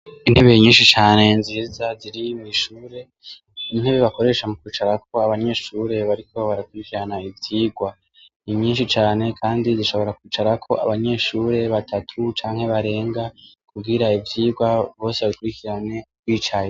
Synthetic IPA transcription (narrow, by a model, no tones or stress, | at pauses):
inheβejeɲiːnʃit͡ʃaːne̞nziːzaziɾimuiʃuːɾe̞ | in̥heβeβako̞ɾe̞ʃamukiːt͡ʃaɾakʰo̞aβaɲe̞ʃuːɾe̞βaɾiko̞βaɾakuɾikiɾanaivjiːɡwa | iɲiːnʃit͡ʃaːne̞kʰaːndiziʃo̞βo̞ɾakwiːt͡ʃaɾakʰo̞ʔa̰βaɲe̞ʃuːɾe̞βatʰatʰut͡ʃaːŋ̥he̞βaɾe̞ːŋɡakʰubɡiɾaivjiːɡwaβo̞ːse̞βaɾikuɾikiɾane̞kwiːt͡ʃaje